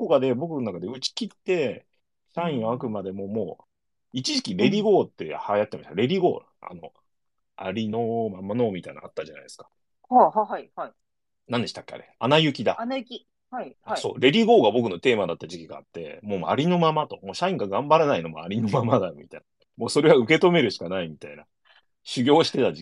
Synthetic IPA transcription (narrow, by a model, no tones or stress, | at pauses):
kokad̪e̞bo̞kɯ̟nonakad̪eɯ̟t͡ɕi̥kʲit̪ːe̞ | ɕaĩɰ̃akɯ̟mad̪e̞mo̞mo̞ː | it͡ɕiʑikʲiɾe̞ɾʲiɡo̞ːt̪ːe̞hajat̪ːema̰ɕt̪aɾe̞ɾʲiɡo̞ːɾ | a̰no̞̰ | a̰ɾʲinomamano̞ːmʲit̪aina̰at̪ːaʑana̰id̪eskḁ | hahaɦaihai | nãnd̪e̞ɕi̥t̪ḁkːea̰ɾe̞̰anajɯ̟kʲid̪a̰najkʲi | haiaso̞̰ːɾe̞ɾʲiɡo̞ːɡabo̞kɯ̟no̞t̪e̞ːmad̪at̪ːaʑikʲiɡa̰ːt̪ːe̞̰mo̞ːma̰ɾʲino̞mamat̪o̞mo̞ːɕaĩŋɡaɡãmbaɾenaino̞moaɾʲino̞mamad̪amʲit̪aina | mo̞ːso̞ɾe̞βaɯ̟ke̞t̪o̞me̞ɾɯ̟ɕi̥kanaimʲit̪aina̰ | ɕɨɡʲo̞ːɕi̥t̪e̞t̪ad͡ʑi